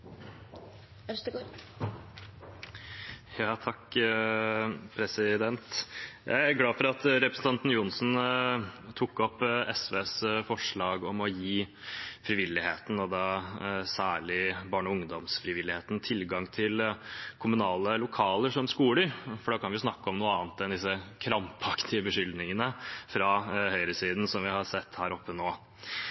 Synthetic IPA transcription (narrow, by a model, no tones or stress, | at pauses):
jɑːt̪ʰɑkː | pʰɾɛsɪd̪ɛnt̪jæ̰ɪæɾɡlɑːfɔɾɑt̪ɾɛpɾəsn̩t̪ɑnt̪n̩jʊnsn | t̪ʰukːɔpːɛsʋeːsfɔʂɭɑːɡɔmɔjiːfɾɪʋɪlːɪheːt̪n̩ɔd̪ɑːsæːɭɪbɑːɳɔʊŋd̪ɔmsfɾɪʋɪlːɪheːt̪nt̪ʰɪlɡɑŋt̪ʰɪlkʰʊmʉnɑːləlʊkʰɑːləʂɔmskuːləɾfɔɖɑːkʰɑnʋɪʊsnɑkːɔmnuːəɑːnt̪ɛnd̪ɪsːəkʰɾɑmpɑkt̪ʰɪəbəʂʏld̪nɪŋənəfɾɑhœʏɾəsiːd̪n̩sɔmʋɪhɑɾsɛt̪ːhæːɾɔpːənoː